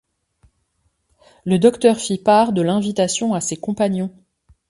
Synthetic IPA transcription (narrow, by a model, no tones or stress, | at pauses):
ləd̪ɔkt̪œʁfipaʁd̪əlɛ̃vit̪asjɔ̃asekɔ̃panjɔ̃